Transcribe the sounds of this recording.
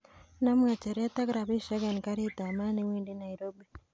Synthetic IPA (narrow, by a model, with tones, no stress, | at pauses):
na˦m˦ŋa˨t͡ʃɛ˨ɾɛ˦t̪a˦ɡɾa˨bi˦ʃa˦ɡa˨nka˦ɾit̪a˨ma˦ni˦windi˦na˨iɾobi˨